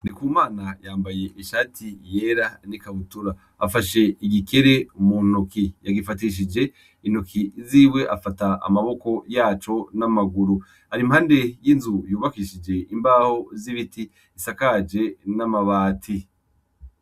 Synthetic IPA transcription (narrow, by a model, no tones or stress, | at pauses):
nikuːmaːnajaːmbaje̞ʔiʃaːtʰije̞ɾanikaβutuɾaː | faʃe̞iɡike̞ɾe̞munokijaɡifatiʃ̬id͡ʒe̞ | inokʰiziːwe̞ʔafataa̰maβoko̞jaːt͡ʃo̞namaɡuɾu | haɾimhaːnde̞jinzujuːβakiʃid͡ʒe̞imbaho̞ziβitiː | sakad͡ʒe̞namaβaːtʰi